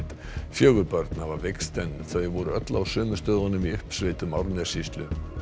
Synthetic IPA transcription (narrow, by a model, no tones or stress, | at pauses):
t̪ | fjœːɣʏɾpœɾt̪navaɾvekst̪ɛnːθajɛɣvɔɾʏœt̪lawsʏːmʏst̪œːðanʏmiʏhpsvejt̪ʏmawɾnɛ̥sist̪lʏ